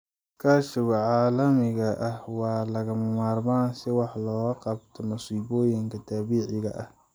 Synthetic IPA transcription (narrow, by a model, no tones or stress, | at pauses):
kʰaːʃɪwɐʕɑːlɐmɪɣɐʔɐhwɑːlɐɣɐmɐmaːrmaːnsɪwɑħlɔːɣɐqɑbt̪ʰɔmʊsiːbɔːjɪŋkʰɐt̪ʰaːβiːʕɪɣɐ̰ʔɐh